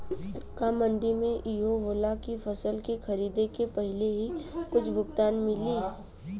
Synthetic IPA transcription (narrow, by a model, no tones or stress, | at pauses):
kamə̃ɳɖimẽʔiɦoʋoːlakifʰɐsəlkexʰɐɾiːd̪ekepɛɦɪleɦikʊt͡ʃʰbʱʊk̚t̪aːnmɪliː